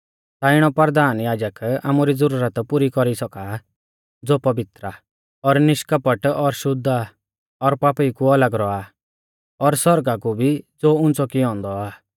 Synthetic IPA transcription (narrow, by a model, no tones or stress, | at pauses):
t̪aɪɽ̃ɔpəɾd̪aːnjaːd͡ʒəka̰ːmuɾid͡zɔɾuɾət̪puɾikɔɾisɔka | d͡zoːpɐʋɪt̪ɾa | ɔɾnɪʃkapəʈɔɾʃʊd̪ʱːa | ɔɾpaːpikuɐləɡɾɔa | ɔɾsɔɾɡakubʱid͡zoːʊ̃nt͡sɔkiɔ̃ːnd̪ɔaː